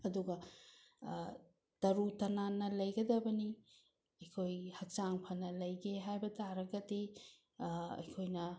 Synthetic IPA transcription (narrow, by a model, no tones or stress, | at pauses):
ɐduɡɐ | tɐɾutɐnanːɐlɐjɡɐdɐbɐni | ɐjkʰojhɐk̚t͡ʃaŋpʰɐnɐlɐjɡeɦajbɐtʰaɾɐɡɐdi | ɐ̰jkʰojnɐ